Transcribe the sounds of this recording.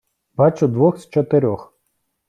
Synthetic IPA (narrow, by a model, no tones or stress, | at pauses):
bɑt͡ʃʊd̪ʋɔxst͡ʃɔt̪ɪɾʲɔx